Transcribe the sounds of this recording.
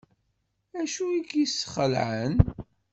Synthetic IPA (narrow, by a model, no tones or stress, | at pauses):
æʃuikisːəχəlʕən